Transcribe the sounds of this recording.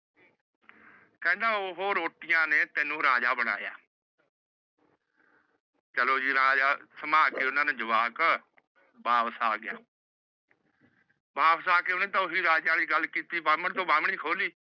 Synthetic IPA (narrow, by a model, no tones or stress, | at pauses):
kɛ̃ːnd̪ãːoːɦoːɾoːʈɪjãːneːt̪eːnũːɾaːd͡ʒaːbəɽ̃a̰ːja̰ː | t͡ʃəloːd͡ʒiːɾaːd͡ʒaːsəmaːkeːʊnãːnẽːd͡ʒəʋaːk | bʱaːʋsaːɡɪja̰ː | bʱaːʋsaːkeːʊnẽːt̪aːʊɦiːɾaːd͡ʒãːniɡəlkiːt̪iːbaːməɳt̪õːbaːməɳikʰoːliː